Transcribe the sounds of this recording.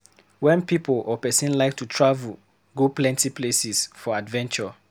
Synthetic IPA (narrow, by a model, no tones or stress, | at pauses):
wɛ̃npiplɔpɛsĩnlaɪk̚tʰutʰɹavul | ɡoplɛ̃ntipʰlesisfɔadvɛ̃nt͡ʃɔ